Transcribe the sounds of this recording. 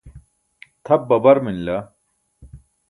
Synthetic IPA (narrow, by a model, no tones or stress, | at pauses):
t̪ʰɐb̚ːɐbɐɾminla